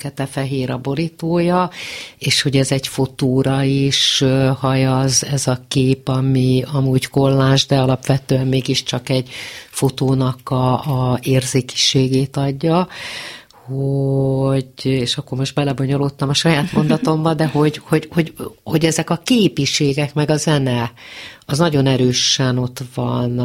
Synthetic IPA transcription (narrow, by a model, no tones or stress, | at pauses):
kɛt̪ɛfɛɦeːɾɒbo̞ɾit̪oːjɒeːʃho̞ɟɛzɛɟfo̞t̪oːɾɒiʃhɒjɒzɛzɒkeːpɒmiɒmuːɟko̞lːaːʒd̪ɛɒlɒpʋɛt̪øːɛmmeːɡiʃt͡ʃɒkɛɟfo̞t̪oːnɒkɒːeːrzeːki̥ʃeːɡeːt̪ɒɟːɒ | ho | ɟeːʃɒkːo̞rmo̞ʃt̪bɛlɛbo̞ɲo̞loːt̪ːɒmɒʃɒjaːt̪mo̞nd̪ɒt̪o̞mbɒd̪ɛho̞ɟho̞ɟho̞ɟho̞ɟɛzɛkɒkeːpiʃeːɡɛkmɛɡɒzɛnɛɒznɒɟo̞nɛɾøːʃɛno̞t̪ʋɒn